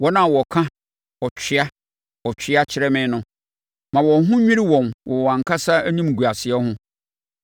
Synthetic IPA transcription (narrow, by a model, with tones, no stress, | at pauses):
wɔ˦nã˦˨wɔ˨kʰã˦ | ɔ˨t͡ɕᶣʰɪ˦a˦ | ɔ˨t͡ɕʰᶣɪ˦a˦t͡ɕʰɪ˨ɾɛ˦mɪ̃˦nʊ̃˦ | mã˨wɔ̃˨ɦʊ̃˦ɲᶣĩ˦ɾi˦wɔ̃˨nwʔɔ˨wɔ˨ã˨ŋ̩˨kʰa˦sa˦æ˦ɲĩ˦m˨ɡu˨a˨sɪ˨ɛ˦hʊ̃˦